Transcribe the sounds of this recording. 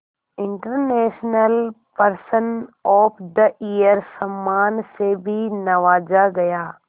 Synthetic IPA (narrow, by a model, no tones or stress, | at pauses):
ɪ̃ɳʈəɾneːʃnəl | pɐɾsənɔːpʰd̪ɐʔijəɾsɐmːaːnsebʱinɐʋaːd͡ʒaɡɐjaː